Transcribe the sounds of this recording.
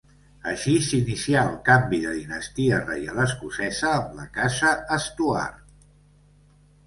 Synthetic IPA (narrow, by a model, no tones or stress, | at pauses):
əʃisinisiaəlˠkambiðəðinəst̪iərḛjaləskusɛzəːmləkazəːst̪ua̰r